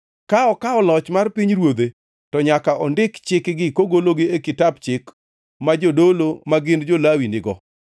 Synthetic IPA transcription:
kaɔkaɔlɔt͡ʃmarpiɲɾwod̪e | tɔɲakaʔɔndɪkt͡ʃɪkɡɪkoɡoloɡɪekɪtap̚t͡ʃɪk | mad͡ʒodolomaɡɪnd͡ʒolawinɪɡɔ̰

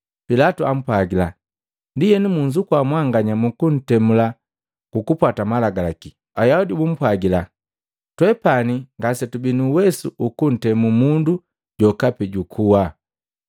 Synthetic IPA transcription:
pilatuam̩pwaɡila | ndijɛnimuɲd͡ʒukwamwaŋɡaɲamukun̩tɛmula | kukupwatamalaɡalaki | ajaudibum̩pwaɡila | twɛpaniŋɡasɛtubinuwɛsuʔukun̩tɛmumundu | ɟɔkapɛɟukʰuwa

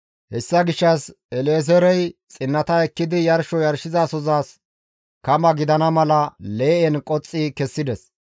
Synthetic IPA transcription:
hɛsːɐɡɪʃːɐs | ɛleːz̬ɛɾɛjt͡sʼɪnːɐt̪ɐɛkːɪd̪ɪjɐɾʃɔjɐɾʃɪzaːsɔzaːs | kɐmɐɡɪd̪ɐnɐmɐlɐle̞ːʔɛnkʼɔt͡sʼːikɛsːɪd̪ɛs

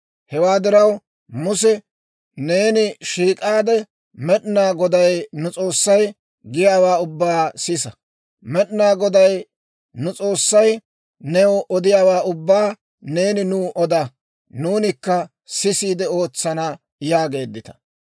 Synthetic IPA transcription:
hɛwaːd̪ɪɾɐw | mʊsɛ | ne̞ːnɪʃiːkʼaːd̪ɛ | mɛɗnaːɡɔd̪ɐjnʊt͡sʼo̞ːsːɐj | ɡɪjaːwaːʊbːaːsɪsɐ | mɛɗnaːɡɔd̪ɐj | nʊt͡sʼo̞ːsːɐj | nɛwɔd̪ɪjaːwaːʊbːaː | ne̞ːnɪnuːʔɔd̪ɐ | nuːnɪkːɐ | sɪsiːd̪ɛo̞ːt͡sːɐnɐ | jaːɡe̞ːd̪ːɪt̪ɐ̥

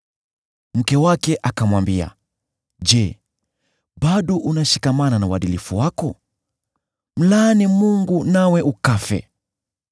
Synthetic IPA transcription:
m̩kɛwakɛʔakamwambia̰ | ʄɛ | ɓaɗɔʔunaʃikamananauwaɗilifuwakɔ | m̩lanimuŋɡunawɛʔukafɛ̰

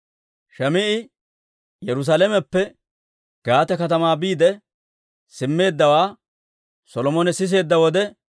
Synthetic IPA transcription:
ʃɐmɪʔɪ | jɛɾʊs̬aːlɛmɛpːɛ | ɡ̥aːt̪ɛkɐt̪ɐmaːbiːd̪ɛ | sɪmːe̞ːd̪ːɐwaː | sɔlɔmɔnɛsɪs̬e̞ːd̪ːɐwɔd̪ɛ

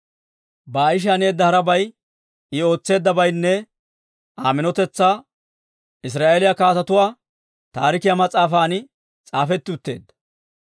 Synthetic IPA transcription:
baːɪʃ̬ɐne̞ːd̪ːɐhɐɾɐbɐj | ɪo̞ːt͡sːe̞ːd̪ːɐbɐjnːɛ | aːmɪnɔt̪ɛt͡sːaː | ɪs̬ɾaːʔelɪjakaːt̪ɐt̪ʊwaː | t̪aːɾɪkɪjamɐt͡sʼːaːfaːnɪ | t͡sʼaːfɛt̪ːɪʊt̪ːe̞̰ːd̪ːɐ̥

